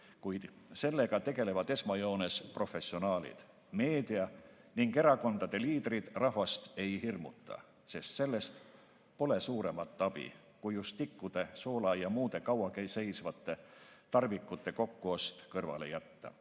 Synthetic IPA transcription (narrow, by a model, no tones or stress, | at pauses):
kujd̪̥se̞lːe̞ɡ̥ɑt̪e̞ɡ̥e̞le̞vɑd̪e̞smɑjo̞ːne̞spro̞fe̞sio̞nɑːlḭd̪̥ | me̞ːd̪̥iɑniŋɡe̞ɾɑko̞nd̪̥ɑd̪̥e̞liːd̪̥rid̪̥rɑhvɑst̪e̞jhirmṵt̪ːˑɑ̰ | se̞st̪se̞lːe̞st̪ | po̞le̞suːɾe̞mɑt̪ːˑɑb̥ḭ | kujust̪ːikːud̪̥e̞so̞ːlɑjɑmuːd̪̥e̞kɑwɑkejse̞jsvɑt̪ˑːe̞t̪ɑrvikːˑut̪ːˑe̞ko̞kːuost̪kɤrvɑ̰le̞̰jæt̪ːɑ̰